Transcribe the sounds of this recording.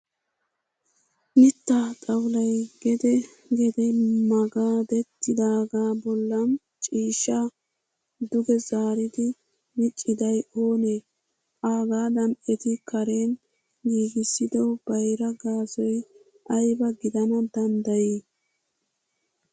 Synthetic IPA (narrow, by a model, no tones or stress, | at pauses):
nɪt̪ːatʼɐwlɐjɡɛd̪ɛ | ɡɛd̪ɛmɐɡaːd̪ɛt̪ːɪd̪aːɡaːbɔlːɐn | t͡ʃʼiːʃːɐ | d̪ʊɡɛzaːɾɪd̪ɪ | nɪt͡ʃʼːɪd̪ɐjoːne | aːɡaːd̪ɐnɛt̪ɪkʰɐɾe̞ːn | ɡiːɡɪsːɪd̪ɔb̥ɐjɾɐɡaːsɔj | ʔɐjbɐɡɪd̪ɐnɐd̪ɐnd̪ɐjiː